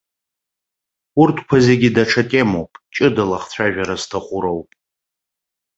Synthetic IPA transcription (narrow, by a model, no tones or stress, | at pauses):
urtʰkʷʰazeɡʲidaʈ͡ʂʰatʼemowpʼt͡ʃʼɨdalaχt͡sʷʰaʒᶣaɾaztʰaχʷʊɾowpʼ